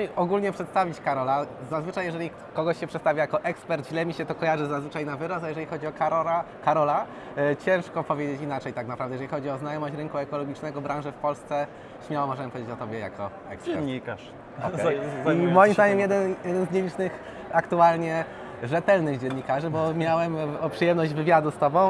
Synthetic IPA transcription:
iɔɡulɲɛpʂɛt̪st̪avʲit͡ɕkaɾɔlazazvɘt͡ʂajːɛʐɛlʲi | kɔɡɔɕɕɛpʂɛt̪st̪avʲjajakɔʔɛkspɛɾt̪ʑlɛmʲiɕɛt̪ɔkɔjaʐɘzazvɘt͡ʂajnavɘɾɔsajɛʐɛixɔd͡ʑiɔk | kaɾɔla | t͡ɕɛ̃ʂkɔpɔvʲjed͡ʑet͡ɕinat͡ʂɛjt̪aknapɾavd̪ɛjɛʐɛixɔd͡ʑiɔznajɔmɔɕt͡ɕɾɘŋkuɛkɔlɔɡʲit͡ʂnɛɡɔbɾãwʐɘfpɔlst̪sɛ | ɕmʲjawɔmɔʐɛnɛmpɔvʲed͡ʑet͡ɕɔt̪ɔbʲjɛja̰kʰɔ̰ | ɛ̰kspɛɾnɲikaʂ | ɔɛimɔjimzd̪aɲɛmjɛd̪ɛnjɛd̪ɛnzɲɛlʲit͡ʂnɘx | akt̪ualɲɛ | ʐɛt̪ɛlnɘɣd͡ʑɛnːikaʐɘbɔmʲjawɛmɔpʂɨjɛmnɔʑd͡ʑvɘvʲjad̪ust̪ɔbɔ̃w̃

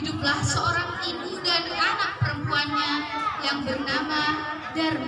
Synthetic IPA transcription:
dup̚lahsəoɾaŋt̪ibudankanak̚pəɾəmpuanɲajaŋbərnama | dar

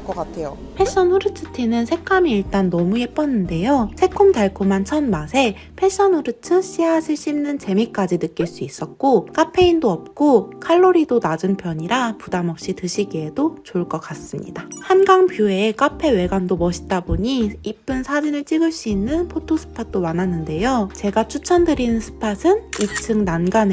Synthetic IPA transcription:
k͈ʌkatʰejo | pʰe̞ɕ͈ʌnɸuɾɯt͡ɕʰɯtʰinɯnsʰe̞k͈ʰamiiɭt͈anːʌmuep͈ʌnːɯnde̞josʰe̞kʰomdaɭkʰomant͡ɕʰʌnmasʰe̞ | pʰeɕ͈ʌnuɾɯtʰɯɕ͈iɦaɕʰiɭɕ͈imnɯnt͡ɕe̞mik͈ad͡ʑinɯk͈iɭs͈uis͈ʌt̚k͈ok͈apʰe̞indoʌp̚k͈okʰaɭːoɾidonad͡ʑunpʰjʌɲiɾapudamʌp̚ɕ͈itɯɕʰiɡie̞dot͡ɕoɭk͈ʌkas͈ɯmɲḭdahanɡaŋpjoeːk͈apʰe̞we̞ɡandomʌɕʰi̥t͈aboɲiːp͈ɯnsʰad͡ʑinɯɭt͡ɕ͈iɡɯɭs͈uinːɯnpʰotʰosʰɯ̥pʰat̚t͈omanɦanːɯnde̞jot͡ɕe̞ɡat͡ɕʰut͡ɕʰʌndɯɾinɯnsʰɯ̥pʰasʰɯnit͡ɕʰɯŋnanɡan

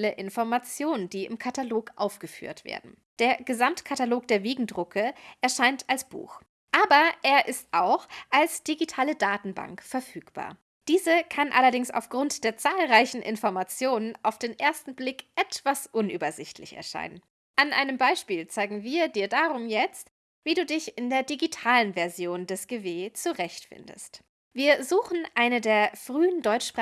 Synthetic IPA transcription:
ləʔɪnfɔɐmat͡sjoːnənd̥iːɪmkʰataloːkʔa̰ʊfɡ̥əfy̰ːɐtv̥ḛːɐdn̩ | d̥eːɐɡəzamtkʰataloːk̚d̥eːɐveːɡŋ̩dʁʊkʰəʔɛɐʃaɪntalsb̥ṵːx | ʔaːbɐʔeːɐʔɪstʔaʊxʔalsd̥iɡitʰaːlədaːtn̩ba̰ŋkfɛɐfyːkb̥a̰ːɐ | d̥iːzəkʰanʔa̰lɐdɪŋsa̰ʊfɡ̥ʁʊntd̥eːɐt͡saːlʁaɪçn̩ʔɪ̰nfɔɐmat͡sjoːnənaʊfd̥eːnʔeːɐstn̩blɪkʔɛtv̥asʔʊnʔy̰ːbɐzɪçtʰlɪçɛ̰ɐʃa̰ɪnən | ʔanʔa̰ɪnəmbaɪʃpiːlt͡saɪɡŋ̩viːɐdiːɐdaʁʊmjɛt͡st | viːduːdɪçɪndeːɐdiɡitʰaːlənvɛɐzjoːndɛsɡ̥eveːt͡suʁɛçtfɪ̰ndə̰st | viːɐzuːxn̩ʔaɪnədeːɐfʁ̥yːəndɔʏt͡ʃpʁ̥

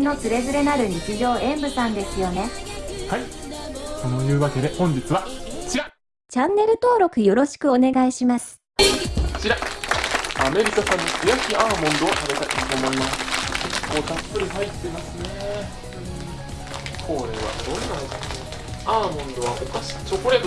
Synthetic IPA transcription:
no̞t͡sɨɾe̞zɨɾe̞naɾɯ̟ɲit͡siʑʲo̞ːẽ̞mbɯ̟sãnd̪e̞sɨjo̞ne̞hai | so̞nojɯ̟ːβake̞d̪e̞hõ̞ɲ̟d͡ʑit͡sɨβat͡ɕiɾa | t͡ɕãnːe̞ɾɯ̟t̪o̞ːɾo̞kɯ̟jo̞ɾo̞ɕi̥kɯ̟o̞ne̞ɡaiɕimasɨ̥ | o̥t͡ɕiɾa | ame̞ɾʲikasãɲ̟ːikijaskʲiaːmõ̞nd̪o̞ːt̪abe̞t̪ait̪ot̪oːmo̞imasɨ̥kekːo̞ːt̪apːɯ̟ɾʲiɦait̪ːe̞imasɨne | kʰo̞ɾe̞βa̰d̪oːnanoka | aːmõ̞nd̪o̞βabokːaɕi̥t͡ɕokoɾed

